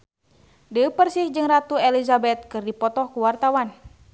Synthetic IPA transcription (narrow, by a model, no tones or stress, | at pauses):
dəpərsɪhd͡ʒɨŋrat̪uɛlizabɛt̪̚kɨrdipɔt̪ɔhkuwart̪awan